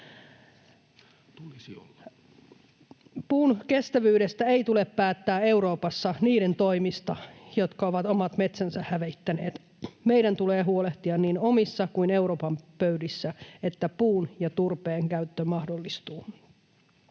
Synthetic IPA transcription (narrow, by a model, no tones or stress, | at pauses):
puːnke̞st̪æʋyːɾest̪æeit̪ulepːæːt̪ːæːe̞wɾo̞ːpɑsːɑniːɾe̞nt̪oimist̪ɑjo̞t̪kɑo̞ʋɑt̪omɑt̪me̞t̪sænsæhhæʋeit̪ːæneːt̪ | me̞idænt̪uleːɦuoleht̪iɑnniːno̞misːɑkuine̞wɾo̞ːpɑmpøydisːæet̪ːæpuːnjɑt̪urpeːŋkæyt̪ːømɑhdolːist̪uː